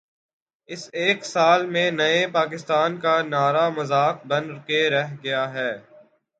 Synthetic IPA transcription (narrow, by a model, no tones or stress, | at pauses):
ɪseːksaːlmẽnɐepaːk̬ɪst̪aːnkanaːɾamɐzaːk̚bɐ̃nkeɾɛɦɡɐjaɦɛː